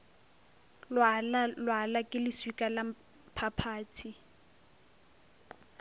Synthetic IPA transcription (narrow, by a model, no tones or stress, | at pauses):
lallwalakʼɪlɪswikʼala | pʰapʰaːtʰi